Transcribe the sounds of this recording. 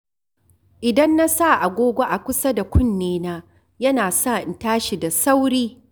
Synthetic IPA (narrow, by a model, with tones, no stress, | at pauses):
ʔɪ˨dɐ˦nːa˦sa˦˨ʔa˨ɡʷoː˦ɡʷo˦ʔa˨kʷʊ˦sɐ˦da˨kʷʰʊ˦˨nːeː˦naː˦ | jɐ˦naː˨sa˦˨ʔɪ˨ntaː˦ʃi˨da˨sa˦wɽiː˦